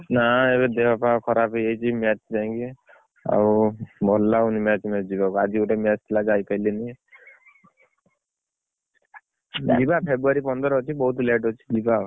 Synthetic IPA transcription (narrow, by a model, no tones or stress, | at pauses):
naebed̪ebapãkʰɔɾapejejt͡ʃʰimat͡ʃd͡ʒãŋki | a̰wbʱɔlːaunimat͡ʃʰmad͡ʒibakuad͡ʒiuʈemjat͡ʃt̪ʰilad͡ʒajpajleni | d͡ʒibapʰebɾuaɾipɔnd̪ɾt͡ʃʰibɔɦut̪leʈɔt͡ʃʰi̥d͡ʒiba